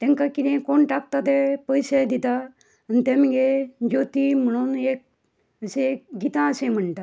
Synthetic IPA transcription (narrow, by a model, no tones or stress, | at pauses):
t̪ẽŋkakid̪ẽkoɳʈak̚t̪at̪epəjsed̪it̪a | ənt̪emŋɡed͡ʒoːt̪iməɽ̃oneːk̚ | əseɡit̪ãsẽm̤əɳʈa